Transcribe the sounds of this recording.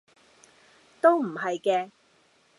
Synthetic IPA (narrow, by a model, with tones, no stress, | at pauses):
t̪o˥wm̩˨˩ɦɐ˨jkɛː˧